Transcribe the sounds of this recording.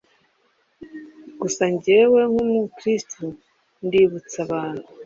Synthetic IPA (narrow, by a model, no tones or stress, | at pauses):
ɡ̥usaɲɟewe̞ŋhumukɾistʰu | ndiβut͡saβaːn̥u